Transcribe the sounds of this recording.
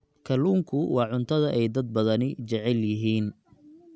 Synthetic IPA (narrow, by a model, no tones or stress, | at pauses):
kʰɐluːŋkʰʊwɑːʕʊnt̪ʰɐðɐʔɛjd̪ɐd̪̚bɐðɐnɪt͡ʃɐʕɛljɪɦiːn